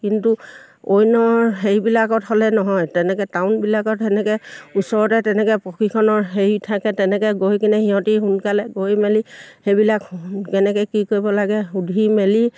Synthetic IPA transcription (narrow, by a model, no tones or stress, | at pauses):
kintu | ojnɔɦejbilakɔtɦɔlɛnɔɦɔjtɛnɛkɛtaʊnbilakɔtɛnɛkɛusɔɹɔtɛtɛnɛkɛpɹɔkʰikʰɔnɔɹɦejtʰakɛtɛnɛkɛɡojkinɛhiɦɔ̃tiɦunkalɛɡojmɛlixejbilakkɛnɛkɛkikoɹibɔlaɡɛudʱimeli